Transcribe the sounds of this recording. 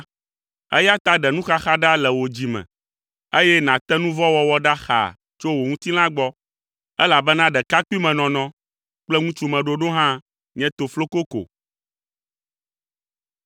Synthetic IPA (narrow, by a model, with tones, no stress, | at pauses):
ɛ̰˦ja˦t̪a˦ɖɛ˨nũ˦xa˦xa˦ɖa˦lɛ˨wo˨d͡ʑi˨mɛ̰̃˨ | e˦jɛ˦nã˨t̪ɛ˦nũ˦vɔ˦wɔ˦wɔ˦ɖa˦xa̰˨ | t͡ʃo˦wo˨ŋũ˦t̪i˦lã˦ɡ͡bɔ˦ | ɛ˦la˨bɛ˦nã˦ɖɛ˨ka˦ku˦i˦mɛ̃˨nɔ̃˨nɔ̃˦ | k͡plɛ˦ŋũ˦t͡ʃu˦mɛ̃˨ɖo˦ɖo˦ɦã˦ | ɲɛ̃˦t̪o˨flo˦ko˦ko̰˨